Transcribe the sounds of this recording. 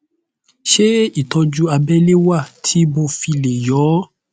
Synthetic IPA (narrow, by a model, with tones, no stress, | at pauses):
ʃe˦i˦˨tɔ˧d͡ʒu˦a˧bɛ˦le˦wa˦˨tʰi˨˦bo˧˨fi˧le˨jɔ˨˦